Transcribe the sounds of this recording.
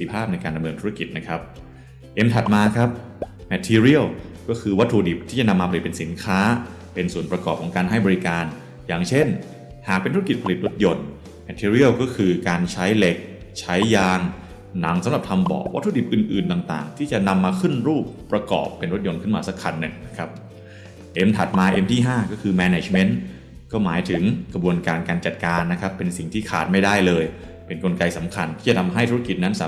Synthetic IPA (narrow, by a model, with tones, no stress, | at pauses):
i˧pʰaː˥˩p̚na˧jkaː˧nda˧mnɤː˧nt̪ʰu˦˥a˥˩ki˨˩t̪̚na˦˥kʰɾa˦˥p̚ | ʔe˧mt̪ʰa˨˩t̪̚maː˧kʰɾa˦˥p̚ | mɛ˧˥t̪ʰːiː˧ɾi˥˩əwkɔː˥˩kʰɯː˧wa˦˥t̪ʰːuː˧di˨˩p̚t̪ʰiː˥˩t͡ɕa˨˩na˧mːaː˧pʰa˧i˨˩t̪̚pe˧nsi˩˦nkʰaː˦˥ | pe˧nsuː˩˦npɾa˧kɔː˨˩p̚kʰɔː˩˦ŋkaː˧nhɦa˥˩jbɔː˧ɾi˦˧kaː˧n | jaː˨˩ŋt͡ɕʰe˥˩n | haː˨˩k̚pe˧nt̪ʰu˦˥ki˨˩t̪̚pʰli˨˩t̪̚ɾo˦˥t̪̚jo˧n | mɛ˧˥t̪ʰːiː˧ɾi˥˩əwkɔː˥˩kʰɯː˧kaː˧nt͡ɕʰa˦˥jle˦˥k̚ | t͡ɕʰa˦˥jːaː˧ŋ | na˩˦ŋsa˨˦mɾa˨˩p̚t̪ʰa˧mbɔ̰ː˨˩k̚wʔa˦˥t̪ʰːdi˩p̚ʔɯː˨˩nʔɯː˨˩nt̪aː˨˩ŋt̪a̰ː˨˩ŋt̪ʰiː˥˩t͡ɕa˨˩na˧mːaː˧kʰɯ˥˩nɾuː˥˩pːɾa˧kɔ̰ː˨˩pːe˧nɾo˦˥t̪̚jo˧nkʰɯ˥˩nmaː˧sa˦˥kʰa˧nːɯ˨˩ŋna˦˥kʰa˦˥p̚ | ʔe˧mt̪ʰa˨˩t̪̚maː˧ʔe˧mt̪ʰiː˥˩ɦaː˥˩kɔː˥˩kʰɯː˧mɛː˧ne˧˩t͡ɕme˦˥n | kɔː˥˩maː˩˦jt̪ʰɯ˨˩˦ŋkɾa˧bu˧ənkaː˧nkaː˧nt͡ɕa˨˩t̪̚kaː˧nː˦˥kʰa˦˥pːe˧nsi˨˩ŋt̪ʰiː˥˩kʰa̰ː˨˩t̪̚ma˥˩jda˥˩jlɤː˧j | pe˧nko˧nka˧jsa˩˦mkʰa˧nt̪ʰiː˥˩t͡ɕa˨˩t̪ʰa˧mɦa˥˩jt̪ʰuː˦˥a˥˩ki˨˩na˦˥nsaː˨˦